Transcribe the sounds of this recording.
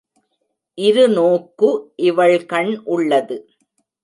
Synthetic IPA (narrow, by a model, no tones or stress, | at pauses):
ʔɪɾɯnoːkːɯʔɪʋɐɭkɐɳʔʊɭːɐðɯ